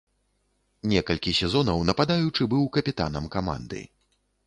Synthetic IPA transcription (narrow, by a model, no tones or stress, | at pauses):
nʲɛkɐlʲkʲisʲɛzɔnɐwnɐpad̪ajut͡ʂɨbɨwkɐpʲit̪a̰nɐmkama̰nd̪ɨ̰